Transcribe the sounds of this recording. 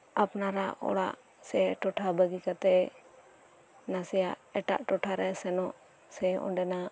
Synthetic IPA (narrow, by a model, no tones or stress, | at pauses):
apnaɾaɔ̰ɽa̰ʔ | sɛʈɔʈʰabəɡikat̪ɛ | nasɛjaʔɛʈa̰ʔʈɔʈʰaɾɛsɛnɔʔ | sɛɔ̰ɳɖɛna